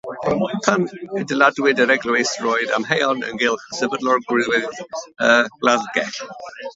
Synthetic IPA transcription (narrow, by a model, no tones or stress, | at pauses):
mɔjpʰanɛdəladwɪdəɾɛɡlˠəwejsrɔjda̰mhɛjɔnə̰nɡɪlˠχəsəbədlɔrɡɹɪðwɪðəːɡ̥laðɡɛ